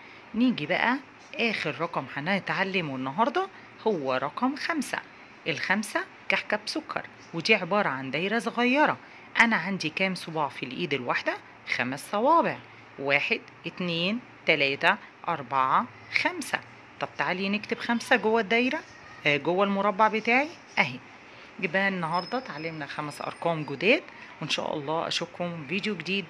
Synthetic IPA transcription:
niːɡibæʔæ | ʔæːxeɾɾˤɑqɑmħaʔnːæht̪ʕalːemwenːɑɦɑɾˤd̪ˤɑ | howːæɾˤɑqɑmxæmsæ̰ | ʔelxæmsæ | kaħkæbsokʰːɑ̰ɾˤ | wed̪iːʕebɑːɾˤɑʕand̪æjɾæsɣæjːɑɾˤɑ | ʔænæʕand̪ikæːmsˤobɑːʕfilʔiːd̪elwaħd̪æ | xæmsːˤɑwɑːbeʕ | waːħed̪ʔɪt̪neːn | t̪ælæːt̪æ | ʔɑɾˤbaʕɑ | xæmsæ̰ | t̪ˤɑb̚t̪aʕaliːnɪkt̪ebxæmsæɡowːæd̪æjɾæ | ɡowːælmoɾˤɑbːaʕbet̪aːʕi | ʔæɦi | ɡebæːlɪnːɑɦɑɾˤd̪ˤɑt̪ʕalːemnæxæmæsʔɑ̰ɾˤkɑːmɡod̪æːt̪wenʃæ̰ːʔɑ̰lˤːɑːʔæ̰ʃokhomviːd̪joɡed̪iːd̪

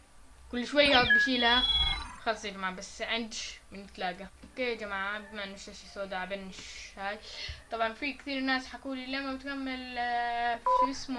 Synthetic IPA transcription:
kʊlːʃwajːad̪̚ˤbɪʃiːlaxɑlsˤjad͡ʒamaːʕabasʕɪnd̪ʃmɪnɪt̪laːɡaʔokeːd͡ʒamaʕabmanɪʃt̪aʃsoːd̪aʕbenːɪʃhaːjt̪ˤɑbʕɑnfikt̪iːɾnaːsħakuːlilamabɪt̪kamːɪl | fɪsmʊ

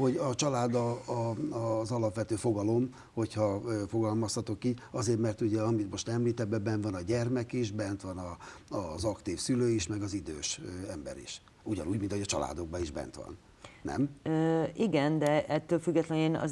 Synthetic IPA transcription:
ho̞ɟɒt͡ʃɒlaːd̪ɒː | zɒlɒpʋɛt̪øːfo̞ɡɒlo̞m | ho̞cʰhɒøːfo̞ɡɒlmɒshɒt̪o̞kiːɟɒzeːrt̪mɛrt̪uɟɛɒmit̪mo̞ʃt̪ɛmliːt̪ɛd̪bɛbɛnt̪vɒnɒɟɛrmɛkiʃbɛnt̪ʋɒnɒɒzɒkt̪iːfsyløːiʃmɛɡɒzid̪ø̰ːʃøɛmbɛ̰ɾḭʃ | uɟɒ̰nuːɟmint̪oɒt͡ʃɒ̰la̰ːd̪o̞ɡ̚bɒiʒbɛ̰nt̪ʋɒ̰nː | ɛ̰m | iɡɛnd̪ɛʔɛt̪ːøːlfyɡːɛt̪lɛneːnɒ̰

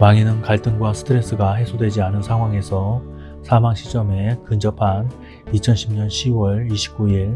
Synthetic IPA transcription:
paŋinɯnkaɭt͈ɯŋɡwasʰɯ̥tʰɯɾe̞s͈ɯɡaɦe̞sʰodwe̞d͡ʑianɯnsʰaŋwaŋe̞sʰʌ | sʰamaŋɕʰi̥t͡ɕ͈ʌme̞kɯnd͡ʑʌpʰan | it͡ɕʰʌnɕʰimɲʌnɕʰiwʌɭiɕʰi̥p̚k͈uiɭ

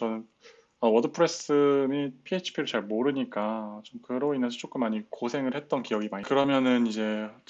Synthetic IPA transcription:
t͡ɕʌnɯn | ʌwʌdɯpʰɯɾes͈ɯmipʰiet͡ɕʰi̥pʰiɾɯɭt͡ɕaɭmoɾɯɲik͈at͡ɕomkɯɾoinːad͡ʑʰit͡ɕ͈ok͈ɯmːaɲikosʰe̞ŋɯɭhe̞t̚t͈ʌnkijʌɡimaɲikɯɾʌmjʌnɯnid͡ʑe̞

